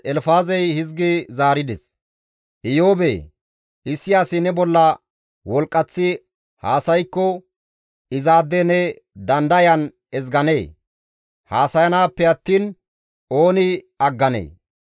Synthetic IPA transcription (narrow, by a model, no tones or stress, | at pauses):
ɛlfaːzɛjhɪzɡɪzaːɾɪd̪ɛs | ʔɪjo̞ːbḛ | ɪsːɪjaːsɪnɛbɔlːɐ | wɔlkʼːɐt͡sːɪ | haːsɐjkːɔ | ɪzaːd̪ːɛnɛ | d̪ɐnd̪ɐjɐn | ɛzɡɐneː | haːsɐjɐnaːpːɛɐt̪ːiːn | o̞ːnɪ | ɐɡːɐnḛː